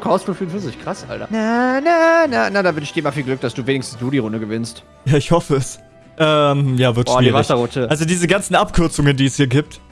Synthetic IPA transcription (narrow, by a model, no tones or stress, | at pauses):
kʰɔsfufyːnfyːɐzɪçkʁ̥asʔa̰ltɐnanənənadaːvɪnɪçd̥iːɐɪmaɐfiːlɡlʏk̚d̥asd̥uːveːnɪçstn̩sd̥uːɾiːʁʊndəɡəvɪnst | jaːɪçhɔfəɛs | ʔɛːmjaːvɪɐtːiːiːʁvaɪçɐʁʊtəʔalzodiːzəɡant͡sn̩ʔapkʰʏɐt͡sʊŋəndiːɛshiːɐɡiːp̚t